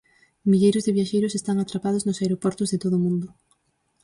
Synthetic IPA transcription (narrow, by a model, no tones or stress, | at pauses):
miʎejɾʊzðeβjaʃejɾʊsest̪aŋat̪ɾapað̞oznosaeɾopɔɾt̪ozðet̪oð̞ʊmũnd̪ʊ